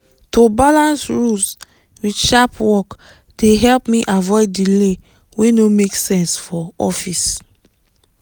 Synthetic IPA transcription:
tobalãnsɹus | widʃapwɔk | d̥eɦɛlpmiʔavɔɪddile | wenomeksɛ̃nsfɔɔfis

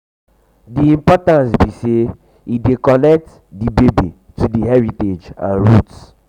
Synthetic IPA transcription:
diĩmpɔtãnsbise | idekɔnɛk̚t | dibebi | tʰudiɦɛɹited͡ʒã̰nɹuts

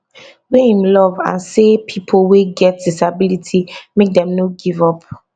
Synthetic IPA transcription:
wehĩmlɔvã̰nsepʰipʰolweɡɛt̚disabilitʰimek̚dɛ̃mnoɡivɔp̚

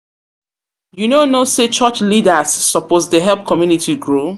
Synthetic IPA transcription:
junonoset͡ʃɔt͡ʃlidasːɔposdəɦɛlp̚kʰɔmjunitiɡɹo

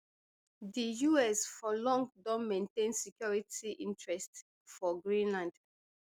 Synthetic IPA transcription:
dijuɛsfɔlɔ̃ŋɡdɔ̃nmẽntẽnsikjɔɹitiʔḭ̃ntʰɹɛst | fɔɡɹĩnlãnd

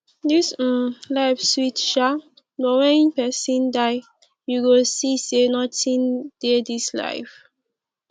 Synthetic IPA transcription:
dis̩laɪfswitʃa | nɔwɛ̃nĩpɛsĩndaɪ | juɡosisenɔtĩnd̥edisla̰ɪf

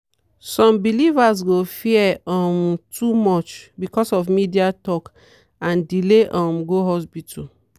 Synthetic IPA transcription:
sɔ̃mbilivas̬ɡofiɛɔ̃mtʰumɔt͡ʃbikɔsɔfmidiatɔk | ãndileʔɔ̃mɡoɦɔspitʰu

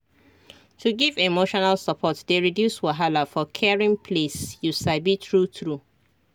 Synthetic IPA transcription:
tʰuɡivemoʃɔnalsəpʰɔtdeɹidjuswaɦalafɔkʰɛɹĩŋpʰlesjusabitɹutɹu

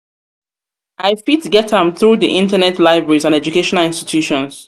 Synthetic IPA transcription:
ʔaɪfitɡɛtə̃mθɹuðiʔɪ̃ntənɛtʰlaɪbɹɛɹizãnɛd͡ʒukeʃɔnalĩnsti̥tʰjuʃɔ̃ns

